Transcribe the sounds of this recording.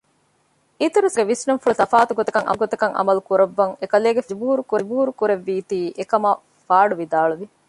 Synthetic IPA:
it̪uɾesɡeʋisnuŋfulut̪ɐfaːt̪uɡot̪ɐkɐŋʔɐ̰ɡot̪ɐkɐŋʔɐ̰mɐlukuɾɐʋːɐŋekɐleːɡebuːɾukuɾebuːɾukuɾeʋːiːt̪iːʔekɐmɐ | faːɖuʋid̪aːluʋi

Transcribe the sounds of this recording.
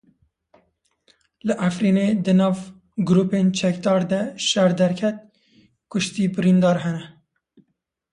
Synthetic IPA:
lɨʔæfɾiːneːd̪ɨnɑːv | ɡʊɾuːpent͡ʃʰɛk̚d̪ɑːɾd̪ɛʃæɾd̪ɛɾkʰɛt̪̚ | kʊʃt̪iːbɨɾiːnd̪ɑːɾɦɛnɛ

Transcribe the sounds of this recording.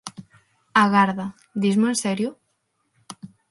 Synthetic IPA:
aɣaɾða | d̪izmoensɛɾjo

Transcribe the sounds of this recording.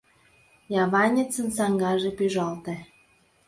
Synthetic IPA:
jɑβɑnʲet͡sə̆nsɑŋɡɑʒĕpyʒɑlt̪ĕ

